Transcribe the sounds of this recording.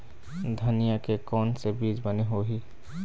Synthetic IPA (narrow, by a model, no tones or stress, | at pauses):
d̪ʱɐnijakekɔːnsebiːd͡ʒbəneɦoɦiː